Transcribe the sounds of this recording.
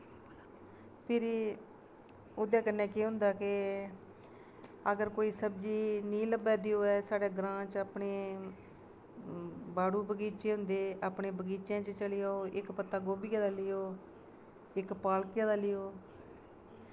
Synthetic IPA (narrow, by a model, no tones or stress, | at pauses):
pʰɪɾ | ʊd̪ãːkənːɛːkeːɦʊ̃nd̪aːkɪ | əɡəɾkoːiːsəbd͡ʒiːnĩːləbɛːd̪iːoːɛːsaːɽeːɡɾãːt͡ʃəpɳeː | baːɽuːbəɡiːt͡ʃeːɦʊ̃nd̪eːʔaːpɳeːbəɡiːt͡ʃjãːt͡ʃt͡ʃəlɪjaːoːʔɪkpət̪ːaːɡoːbijãːd̪aːlɪːoː | ɪkpaːlkjãːd̪aːlɪjoː